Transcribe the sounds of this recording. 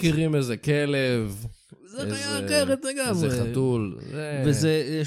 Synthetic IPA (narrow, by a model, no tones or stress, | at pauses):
kiʁimezekelevzeajaaχeʁet̪leɡamʁeeχatulzeveze